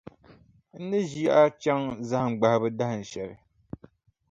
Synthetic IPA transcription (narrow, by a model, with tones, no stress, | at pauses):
n̩˦nɨ˦ʒi˦ja˦ʔa˦t͡ʃɛ˦ŋza˦hŋ͡mɡ͡ba˨hbɨ˦da˦hɨ˨n̩˨ʃɛ˨ɾɪ˨